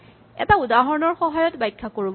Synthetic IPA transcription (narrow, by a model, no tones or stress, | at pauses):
ɛ̰taudaɦɔɹɔnɔɹxɔɦajɔtbajkʰːakoɹib